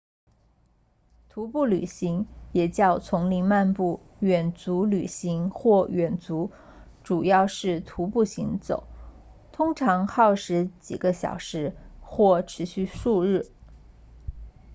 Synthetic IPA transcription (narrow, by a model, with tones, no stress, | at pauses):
t̪ʰu˧˥pu˥˩ly˨˩ɕi˧˥ŋjɛ˨˩t͡ɕjɑ˥˩ʊt͡sʰʊ˧˥ŋli˧˥ŋma˥˧npu˥˩ | ɥɛ˨˩nt͡su˧˥ly̰˨˩ɕi˧˥ŋxwɔ˥˩ɥɛ˨˩nt͡su˧˥ | ʈ͡ʂu˨˩jɑ˥˧ʊʂɻ̩˥˩t̪ʰu˧˥pu˥˩ɕi˧˥ŋt͡so̰˨˩˦ʊ | t̪ʰʊ˥ŋʈ͡ʂʰɑ˧˥ŋxɑ˥˩ʊʂɻ̩˧˥t͡ɕḭ˨˩ɡə˦ɕjɑ̰˨˩ʊʂɻ̩˧˥xwɔ˥˩ʈ͡ʂʰɻ̩˧˥ɕy˥˧ʂu˥˧ɻɻ̩˥˩